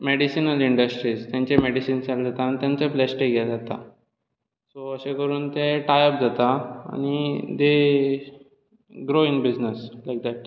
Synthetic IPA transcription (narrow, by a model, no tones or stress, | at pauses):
meɽisinəliɳɖəsʈɾiːst̪jãɲt͡ɕemeɽisiːnt͡sald͡zat̪aːnit̪jãnt͡seflɛsʈeɡad͡zat̪a̰ | soəɕẽkəɾuːnt̪eʈajəp̚d͡zat̪aa̰ñid̪e | ɡɾoinbid͡ʑnəslajk̚d̪æʈ